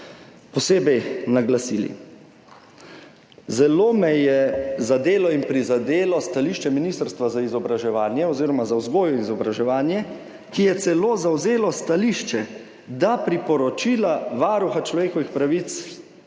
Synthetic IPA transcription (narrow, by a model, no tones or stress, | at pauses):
pɔseːbɛjnaɡlasiːlḭ | zɛloːmɛjɛzad̪eːlɔimpɾizad̪eːlɔst̪aliʃt͡ʃɛminist̪əɾst̪ʋazaizɔbɾaʒɛʋaːnjɛɔziːɾɔmazawzɡoːjɔizɔbɾaʒɛʋaːnjɛ | kijɛt̪sɛloːzawzeːlɔst̪aliʃt͡ʃɛ | d̪apɾipɔɾɔt͡ʃiːlaʋaːɾuxat͡ʃlɔʋeːkɔʋixpɾaʋit̪s